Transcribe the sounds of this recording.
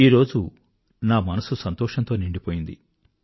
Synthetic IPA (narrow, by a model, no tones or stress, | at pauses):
iːɾo̞ːd͡ʒu | naːmɐnɐsusɐnt̪ɔːʂɐnt̪o̞ːniɳɖipoːjind̪i